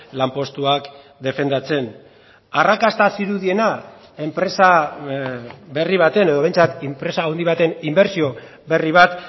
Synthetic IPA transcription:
lampo̞st̪uak | d̪e̞fe̞nd̪at͡se̞n | arakast̪asiɾuðie̞na | e̞mpɾe̞sa | βe̞riβ̞at̪e̞ne̞ð̞oe̞jnt͡sat̪impɾe̞saːwnd̪iβ̞at̪e̞nimbe̞ɾsio̞ | βe̞riβ̞at̪

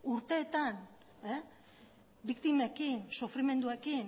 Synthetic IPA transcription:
uɾt̪e̞ːt̪an | e | bikt̪ime̞kinsufɾime̞nd̪ue̞kin

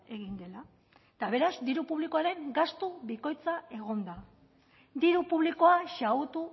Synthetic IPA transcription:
e̞ɣind̪e̞la | et̪aβ̞e̞ɾazd̪iɾupuβliko̞aɾe̞ŋɡast̪uβiko̞jt͡sae̞ɣ̞o̞nd̪a | d̪iɾupuβ̞liko̞aʃaut̪u

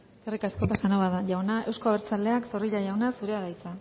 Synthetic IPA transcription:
eske̞rikasko̞pasanoβaðaʝawnaʔe̞wsko̞aβeɾt͡sald̪e̞akso̞riʎaʝawnasuɾe̞aðajt͡sa

